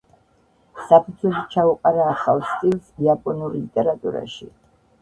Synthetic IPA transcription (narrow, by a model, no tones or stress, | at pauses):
sapʰut̪ʰwɛʃit͡ʃʰauqʼaɾaːχavst̪ʼilˠsiapʼɔnuɾlit̪ʼɛɾat̪ʼṵɾa̰ʃḭ